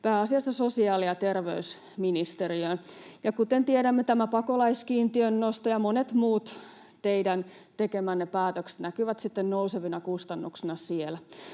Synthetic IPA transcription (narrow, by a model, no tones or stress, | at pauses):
pæːɑsiɑsːɑsosiɑːliɑt̪erʋeys | minist̪eriønjɑkut̪ent̪ieɾæmːet̪æmæpɑkolɑiskiːnt̪iønːost̪ojɑmonet̪muːt̪ | t̪eidæn | t̪ekemænːepæːt̪økse̥t̪nækyʋæt̪sit̪ːennouseʋinɑkust̪ɑnːuksinɑsielæ